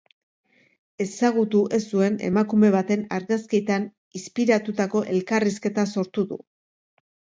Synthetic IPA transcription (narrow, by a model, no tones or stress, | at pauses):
e̞saɣ̞ut̪uʔe̞sd̪ue̞ne̞̰makume̞β̞at̪e̞naɾɣasket̪an | ispiɾat̪ut̪ako̞ʔe̞lkariske̞t̪aso̞ɾt̪uðṵ